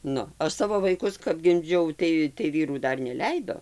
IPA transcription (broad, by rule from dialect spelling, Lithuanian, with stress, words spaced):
ˈnʊ ˈɐʃ ˈsɑːʋoː ʋɐɪˈkʊs kɐp ɡʲɪmʲˈd͡ʒʲɛʊ ˈtɐɪ tɐɪ ˈʋʲiːruː ˈdɐr nʲɛˈlʲɛɪdoː